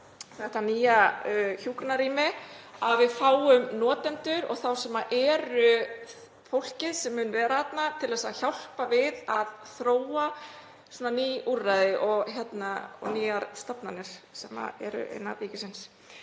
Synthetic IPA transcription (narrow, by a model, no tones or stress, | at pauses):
θɛht̪aniːjaçuːkɾɪnaɾiːmɪavɪðfaːwʏmnɔːt̪ɛnt̪ʏɾɔ̰ɣθawsɛmaʔɛːɾʏ | fowl̥cɪðsɛmːʏːnvɛːɾaːt̪nat̪ʰɪlðɛːsaçawl̥pavɪðaðθɾoːwa | sɔːnaniːurːajðɪʔɔɣçjɛt̪naɔ̰niːaɾst̪apnanɪɾ̥sɛma̰ɛ̰ɾʏ̰ʔḛjnːa̰liːcɪsɪns